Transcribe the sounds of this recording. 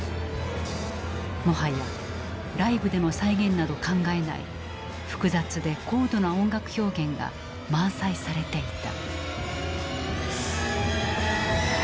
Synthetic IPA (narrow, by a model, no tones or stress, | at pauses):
mo̞ɦaja | ɾaibɯ̟d̪e̞no̞saiɡẽ̞nːad̪o̞kãŋɡae̞na̰ḭ | ɸɯ̟̥kɯ̟zat͡sɨd̪e̞ko̞ːd̪o̞naõ̞ŋɡakɯ̟̥ço̞ːɡẽ̞ŋɡa̰ | mãsaisaɾe̞t̪e̞it̪a̰